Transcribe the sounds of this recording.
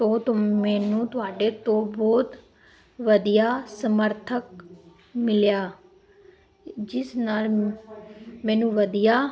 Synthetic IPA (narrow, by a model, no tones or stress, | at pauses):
t̪oːt̪omɛːnũːt̪ʊaːɖeːt̪õːbɔːt̪ | ʋəd̪ijaːsəməɾt̪ʰək | mɪljaː | d͡ʒɪsnaːl | mɛ̃ːnũːʋəd̪ijaː